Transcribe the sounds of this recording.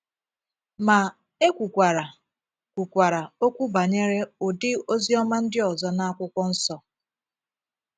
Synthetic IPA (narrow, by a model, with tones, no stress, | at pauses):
ma˨ | e˦kʷu˨kʷa˨ɾa˨ | kʷu˨kʷa˨ɾa˨o˦kʷu˦ba˨ɲe˦ɾe˦ʊ˨dɪ˦o˦zi˦ɔ˦ma˦n̩˦dɪ˦ɔ˨zɔ˦na˦a˦kʷʊ˦kʷɔ˦n̩˦sɔ˨